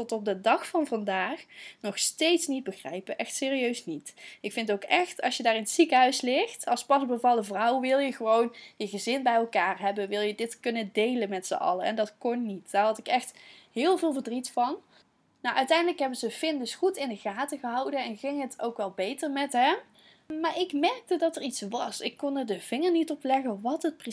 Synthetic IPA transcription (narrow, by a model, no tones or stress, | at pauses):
tɔtɔp̚dədɑxfɑnvɑndaːxnɔχstejtsnid̚bəχrɛ̰jpəʔɛxtsɪːriøɥsnitɪkfɪntowkɛxtɑ̰sʃjədaːɹɪnətsikəɦœɥslɪxtɑlˠspɑsbəvɑlˠdəvrʌwʋɪlˠjəχəʋownjəɣəzɪnbɛjɛlˠkaːɹɦɛbənʋɪlˠjədɪtkɵnədejlənmɛtsə̰ʔɑ̰ləɛ̰ndɑtkɔnːitd̥aːɹɦɑtɪkɛxtɦɪːlˠvɪːlˠvəɹdritfɑn | nawʔœɥtɛjndələkɦɛbənzəfɪndɵsχutɪndəɣaːtəɣəɦʌwdənɛnχɪŋɦətʰowkʋɛlˠbejtəɹmɛtɦɛm | maːɹɪkmɛɹk̚tədɑtəɹitsʋɑsɪkːɔnəɹdəv̥ɪŋəɹnitɔplɛɣəʋɑtɦət̚prə